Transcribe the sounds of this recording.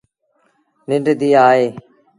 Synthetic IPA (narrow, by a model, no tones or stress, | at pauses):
nɪɳɖd̪iːaːɦeː